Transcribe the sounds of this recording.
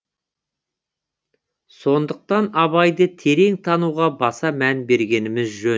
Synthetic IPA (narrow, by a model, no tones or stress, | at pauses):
so̞nd̪əq̚t̪ɑnɑβɑjd̪ət̪ʰe̞ɾe̞ŋt̪ʰɑnuʁɑbɑsɑmænbe̞ɾɡʲe̞nɪmɪzʒɵ